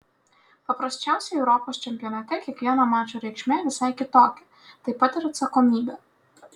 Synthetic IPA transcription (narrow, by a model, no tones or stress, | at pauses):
pɔpɾɔʃʲt͡ʃawsʲɐjɛwɾɔpɐʃt͡ʃɛmʲpʲiɔnɐt̪ɪkjɐkjɔnɐmɑt͡ʃʊɾʲɛkt͡ʃmʲɛʋʲɪsɛjkʲɪt̪ɔkʲɪ̥ | t̪ɐjpɐt̪ɛɾɛt̪sɐkɔmʲid̪ɐ